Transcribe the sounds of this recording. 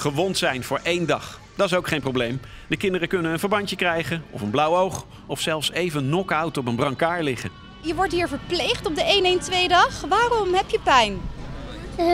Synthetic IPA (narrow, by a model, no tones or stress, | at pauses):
χəʋɔntsɛjnvʊːɹʔejndɑχ | d̥ɑtɪs̬owkχejmprowblejm | dəkɪndərəkɵnənənvəɹbɑɲtəkrɛjχənɔfənblʌwowχ | ɔfsɛlˠfsejvənːɔkɑwtɔp̬ənbrɑŋkaːɹlɪχə̰ | jəʋɔɹtɦiːɹvəɹplejχtɔp̚dəejnejntʋejdɑχʋaːrɔmɦɛpjəpɛjn